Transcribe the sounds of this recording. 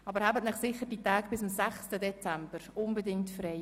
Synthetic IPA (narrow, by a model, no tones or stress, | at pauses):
ɑbəɾhæbətnɪχsɪχːəɾd̥itæːɡb̥ɪsʊmsæχstədɛt͡sæmb̥əɾʊnbədɪŋtfrɛɪ